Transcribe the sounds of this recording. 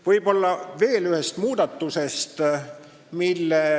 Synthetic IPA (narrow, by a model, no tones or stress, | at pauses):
vɤjbo̞lːɑve̞ːlyhe̞st̪muːd̪ɑt̪ːuse̞st̪ | milːe